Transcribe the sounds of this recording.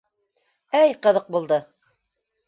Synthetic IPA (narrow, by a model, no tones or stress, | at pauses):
æjqɤ̆ðɤq̚bulˠd̪ɤ